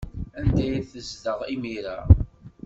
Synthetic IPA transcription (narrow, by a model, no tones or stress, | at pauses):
ænd̪æjiθəzðəʁimiɾa